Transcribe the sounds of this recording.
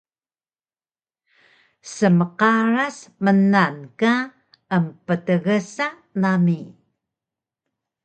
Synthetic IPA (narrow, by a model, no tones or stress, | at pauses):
səməqaɾasmənanka | əmpətəɣəsa | nami